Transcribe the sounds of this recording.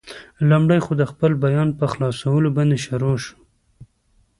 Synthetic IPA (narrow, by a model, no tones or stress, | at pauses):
lumɖəjxod̪əxpəlbajɑnpəxlɑsawəloband̪eʃaɾoʃu̥